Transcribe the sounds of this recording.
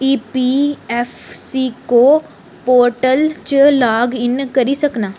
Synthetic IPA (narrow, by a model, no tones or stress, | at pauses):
iːpiːɛːfʰsiːkoː | poːɾʈəlt͡ʃlaːɡɪnkəɾiːsəknaː